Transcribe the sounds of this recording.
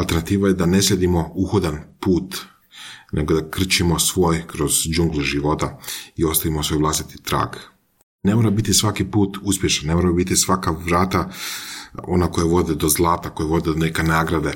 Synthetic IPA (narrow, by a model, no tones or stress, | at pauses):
alˠt̪e̞ɾnat̪iːʋajed̪ane̞slʲe̞d̪imo̞uxod̪anpuːt̪ | nʔeɡod̪akr̩t͡ʃimo̞sʋo̞ːjkɾo̞z̥d͡ʒuŋɡlˠiʒiʋo̞t̪aio̞st̪aʋimosʋo̞jʋlˠast̪i̥t̪i̥t̪ɾa̰ːɡ | ne̞moɾabit̪isʋakipuːt̪uspʲjeʃnannːemoːɾabit̪isʋakaʋɾaːt̪a | o̞̰nako̞jeʋo̞d̪ed̪o̞zlˠaːt̪ako̞jeʋo̞d̪ed̪one̞ke̞naːɡɾad̪e̞